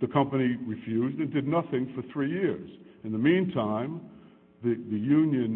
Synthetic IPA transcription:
ðɨkʰʌ̃mpɨniɹɨfjʉzdɨ̃ndɨdⁿnʌθɪ̃ŋfə˞θɹijɪɹz̥ɨ̃nðɨmĩntʰãɪ̃m | ðɨðɨjʉ̃njɨ̃n

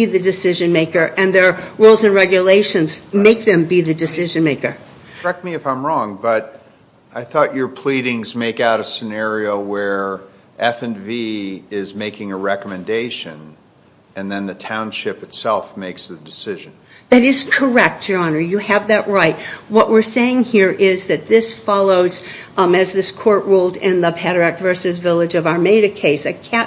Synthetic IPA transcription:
iðɨdɨsɪʒɨ̃nmeɪkə˞ʔɨ̃nðə˞ɹulˠzɨ̃nɹɛɡjɨleɪʃɨ̃nzmeɪk̚ðɨ̃mbiðɨdɨsɪʒɨ̃nmeɪkə̥˞ | ɛk̚t̚miɨfãɪ̃mɹɔ̃ŋbʌɾ | ʔaɪθɔt͡ʃə˞pʰl̥iɾɪ̃ŋzmeɪkaʊɾɨsɨnɛɹioʊwə˞ | ʔɛfɨ̃nviɪzmeɪkɪ̃ŋɨɹɛkəmɨ̃ndeɪʃɨ̃n | ɨ̃nðɨ̃nðɨtʰãʊ̃nʃɪpɨtsɛlˠfmeɪksðɨdɨsɪʒɨ̃n | ðɨɾɪz̥kʰə˞ɛk̚td̥ə˞ɑnə˞jɨɨvðɨʔ̚ɹaɪt̚wʌʔwɪɹseɪɪ̃ŋhiɹʔɪzðɨt̪̚ðɪsfɑlˠoʊz | ɨzðɪskʰɔɹʔɹoʊlˠdɪ̃nðəpʰæɾæk̚tvɜ˞sɨzvɪlˠɨd͡ʒʌvaʊə˞meɪɾɨkʰeɪsɨkʰæ

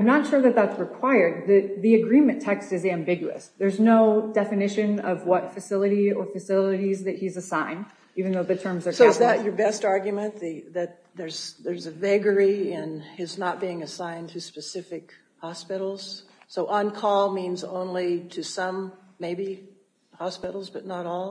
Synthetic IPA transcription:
aɪ̃mnətʃʊɹðɨt̪̚ðætsɹɨkʰw̥aɪə˞d̪̚ðɨt̪̚ðiɨɡɹĩmɨ̃ntʰɛkstɨzæ̃mbɪɡjʉɨ̰sðə˞znoʊdɛfɨnɪʃɨ̃nʌvwʌtfɨsɪlˠəɾiə˞fɨsɪlˠəɾizðɨt̚hizɨsãɪ̃n | ivɨ̃n̩ðoʊðɨtʰɜ̃˞mzə˞soʊzððɨʔə˞bɛstɑɹɡjmɨ̃nðɨðɨt̪̚ðə˞z̥ðə˞zɨvɛɡə˞iɪ̃nɪznət̚b̥iɪ̃ŋɨsãɪ̃ntʰɨspɨsɪfɨk | hɑspɪɾl̩ˠz̥ | soʊʔə̃nkʰɔlˠmĩnzõ̰ʊ̃nliɾɨsʌ̃mːeɪbi | hɑspɪɾl̩ˠzbʌtⁿnəɾɔlˠ

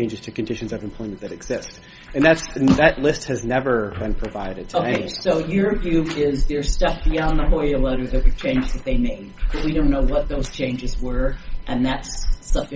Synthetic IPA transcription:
ɪ̃nd͡ʒɨz̥tʰɨkɨ̃n̩dɪʃɨ̃n̩zʌvɨ̃mpʰl̥ɔ̃ɪ̃mɨ̃nðɨɾɨɡz̥ɪst | ɨ̃nðætsɨ̃nðɨtˡlɪst̚hɨznɛvə˞bɨ̃npʰɹ̥ɨvaɪɾɨd̚tʰoʊɪssoʊjə˞vjʉɪzðə˞stɛf̚b̥iɑ̃nðəɦɔɪəlɛɾə˞ðɨt̚wɨð̥t͡ʃʰẽɪ̃nd͡ʒɨzðɨt̪̚ðeɪmeɪ | b̥ʌt̚wiɾõʊ̃nːoʊwʌt̪̚ðoʊz̥t͡ʃʰẽɪ̃nd͡ʒɨzwə˞ʔɨ̃nðætsːʌb

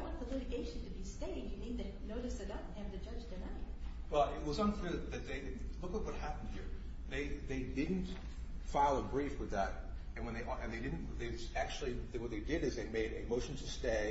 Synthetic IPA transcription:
aɪwɑ̃n̚ðəlɪɾɨɡeɪʃn̩tʰɨbisteɪɪ̃ŋdjɨnĩd̪ðɨnoʊɾɨsðɨɾʌ | ɨ̃vtɨd͡ʒʌd͡ʒðɨmʌnḭwɛlˠɪt̚wʌzə̃nfɪðɨt̪̚ðeɪlʊkət̚wʌt̚hæpn̩d̥̚hiɹ | ðeɪðeɪdɪdⁿn̩t | faɪlˠəbɹifwɨðəɾ̚ | ɨ̃nwə̃nðeɪʔʔɨ̃nðeɪdɪdⁿn̩ðeɪʌzæk̚t͡ʃʉl̩ˠiðɨwʌt̪̚ðeɪdɪɾɨzðeɪmeɪɾɨmoʊʃn̩tʰɨsteɪ

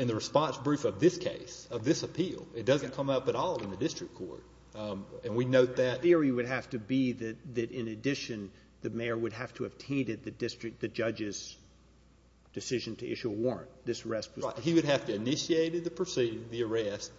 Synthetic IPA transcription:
ɨ̃nðɨɹɨspɑ̃nsb̥ɹʉfʌvðɪskʰḛɪsʌvðɪsəpʰilˠɨt̚d̥ʌzɨ̃n̩kʰʌ̃mʌpəɾɔlˠɨ̃nðɨdɪstɹ̥ɨkʰɔ̰ɹt̚ | ɨ̃nwinoʊt̪̚ðɨt̚θɪɹiwɨd̚ɦæftɨbiðɨt̪̚ðɨɾɪ̃nɨdɪʃɨ̃n | ðɨmeɪə˞wɨd̚ɦæftʰəːv̥tʰẽɪ̃ndɨd̪̚ðɨdɪstɹ̥ɨk̚ðɨd͡ʒʌd͡ʒɨz | d̥ɨsɪʒɨ̃ntʰɨʔɪ̰ʃʉəwɔɹɨ̰̃nðɪsəɹɛst̚wʌhiwɨɾ̚hæftɨɨnɪʃieɪɾɨd̪̚ðɨpʰɹ̥ɨsiɾɪ̃ŋðiə˞ɛst̚

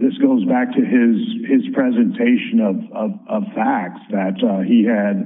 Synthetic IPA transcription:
ðɪsɡ̥oʊzbæk̚tʰɨɪz̥ɪz̥pʰɹ̥ɛzɨ̃ntʰeɪʃɨ̃nʌv̥ʌvʌv̥fæk̚tsðɨtiɨd̚

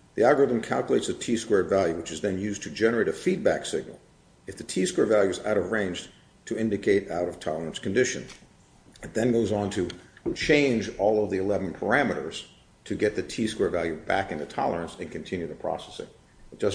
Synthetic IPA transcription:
ðiæɡə˞ɪð̃m̩kʰælˠkjəleɪtsɨtʰiskwɛɹvælˠjʉwɨt͡ʃɨzðɨ̃njʉztʰɨd͡ʒɛnə˞eɪɾɨfid̚bæksɪ̰ɡ̚nl̩ˠ | ɨfðɨtʰiskwɛɹvælˠjʉɨza̰ʊɾʌvɹẽɪ̃nd͡ʒ | tʰɨɪ̃ndɨkʰeɪɾaʊɾʌv̥tʰɑlˠə˞ə̃nskɨ̃n̩dɪʃɨ̰̃n | ɨt̪̚ðɨ̃nɡoʊzn̩tʰɨt͡ʃʰẽɪ̃nd͡ʒɔlˠʌvðiɨlɛvn̩pʰə˞æmɨɾə̰˞z̥ | tʰɨɡɛt̪̚ðɨtʰiskwɛɹvælˠjʉbæ̰kɨ̃ntɨtʰɑ̰lˠə˞ɨ̃nsɨ̃nkɨ̃n̩tʰɪ̃njʉðɨpʰɹ̥ɑ̰sɛsɪ̰̃ŋ̥ | ʒ̥ʌs

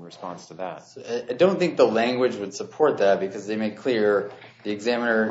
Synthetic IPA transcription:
ɹɨspɑ̰̃nstʰɨðæ̰t̚soaɪdõʊ̃nθɪ̃ŋk̚ðəlæ̃ŋɡwɨd͡ʒwəd̥səpʰɔɹt̪̚ðɨt̚b̥ɨkʰʌzðeɪmeɪkʰl̥ɪɹ | ðiɨɡzæ̃mənə˞

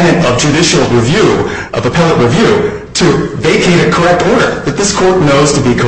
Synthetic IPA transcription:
ɨ̃nʌvd͡ʒʉɾɪʃl̩ˠɹivjʉ | ʔʌvəpʰɛlˠəʔ̚ɹɨvjʉ | ɾʰɨveɪkʰeɪɾɨkʰə˞ɛk̚tɔɹɾə̰˞ðɨt̪̚ðɪskʰɔɹtⁿnoʊz̥tʰɨbikʰə

